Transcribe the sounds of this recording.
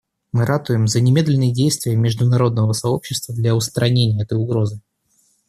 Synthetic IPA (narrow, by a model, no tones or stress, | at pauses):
mɨɾʔat̪ʊjɪmzənʲɪmʲe̞d̪lʲɪnːɨjədʲejst̪vʲɪjəmʲɪʐd̪ʊnɐɾo̞d̪nəvəsɐo̞pɕːɪst̪vəd̪lʲaʊst̪ɾʔɐnʲenʲɪjəɛt̪əjʊɡɾo̞zɨ